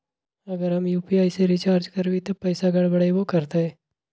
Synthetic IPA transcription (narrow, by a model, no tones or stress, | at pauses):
ɐɡəɾɦɐmjuːpiaːiseɾɪt͡ʃaːɾd͡ʒkɐɾbit̪opɛːsaɡɐɽbɐɽebokɐɾt̪eɦɛː